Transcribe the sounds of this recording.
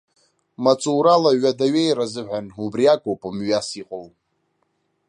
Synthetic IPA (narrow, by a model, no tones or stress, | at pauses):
mat͡sʼuːɾalaɥadaɥejɾazɨʕʷᶣanubriakʼowpʼamɥasiqʼow